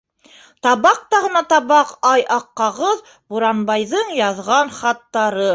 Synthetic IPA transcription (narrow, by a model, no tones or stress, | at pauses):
t̪ɑβɑq̚t̪ɑʁɤ̆nɑt̪ɑβɑqɑjʔɑqːɑʁɤð | buɾɑnbɑjðɤɴjɑðʁɑnχɑt̪ːɑɾɤ